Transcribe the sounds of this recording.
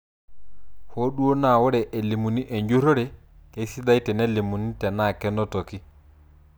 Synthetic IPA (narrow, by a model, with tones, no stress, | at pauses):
ho˦ɗu˦o˦na˨wo˦ɾɛ˨ʔe˨li˨mu˨ni˦ʔe˨ɲd͡ʒu˦ɾɔ˦ɾɛ˨ | ke˦si˦da˦jtɛ˨nɛ˦li˨mu˨ni˦tɛ˨na˦˨kɛ˦nɔ˦to˨ki˦